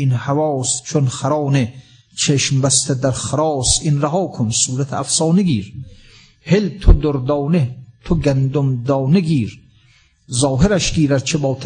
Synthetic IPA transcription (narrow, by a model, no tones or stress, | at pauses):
inhavɒːst͡ʃʰonχaɾɑːne | t͡ʃʰeʃmbæst̪ʰed̪æɾχaɾɑːsinɾaɦɒːkʰonsuːɾat̪ʰeæfsɑːneɡiːɾ | helt̪ʰod̪oɾd̪ɒːnet̪ʰoɡænd̪omd̪ɒːneɡiːɾ | zɒːɦeɾæʃɡiːɾæɾt͡ʃʰebɒːt̪ʰ